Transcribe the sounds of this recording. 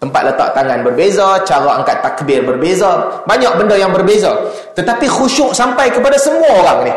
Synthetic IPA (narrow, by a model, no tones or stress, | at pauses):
t̪əmpat̪̚lət̪a̰ʔ̚t̪aŋanbərbezat͡ʃaɾaaŋkat̪ːakəbɪrbərbezabaɲaʔ̚bəndəjaŋbərbeza | t̪ət̪apixuʃʊʔsampajkəpadasəmuaoɾaŋnɪ